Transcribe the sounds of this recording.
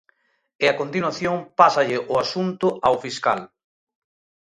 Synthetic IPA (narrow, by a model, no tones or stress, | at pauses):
ɪakont̪inwaθjoŋpasɐʎɪʔʊasunt̪ʊʔawfiska̰l